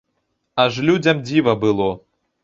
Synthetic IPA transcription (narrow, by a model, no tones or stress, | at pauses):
ɐʐlʲud͡zʲɐmd͡zʲivɐbɨlˠɔ